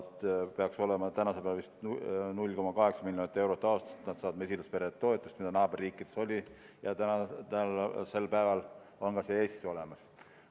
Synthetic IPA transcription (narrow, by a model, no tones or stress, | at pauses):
d̪peɑkso̞lemɑt̪ænɑsepælvist̪nulʲːko̞mɑkɑɦe̞ksɑmilʲjonit̪ːˑe̞wɾot̪ːˑɑost̪ɑ̥st̪nɑd̪sɑːɑd̪me̞sʲilɑspe̞ɾet̪ːo̞e̞t̪ːˑust̪mid̪ɑnɑːb̥erːiːkˑːid̪̥e̞so̞lʲi | jɑt̪ænɑt̪ælse̞lpæevɑl | o̞nkɑse̞ːeːsseo̞lemɑs